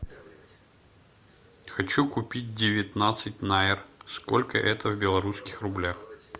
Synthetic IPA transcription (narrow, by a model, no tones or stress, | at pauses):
xɐt͡ɕukʊpʲit̚ʲdʲɪvʲɪt̪nat̪sɨt̚ʲnaɪrskolʲkə̰ʔɛt̪əvbʲɪlˠɐɾuskʲɪxrʊblʲax